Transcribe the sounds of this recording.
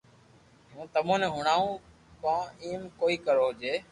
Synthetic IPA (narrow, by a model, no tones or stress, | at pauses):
jũːt̪əmõːnẽːɦʊɳaːũː | pãːiːmkoːiːkəɾoːɦd͡ʒeː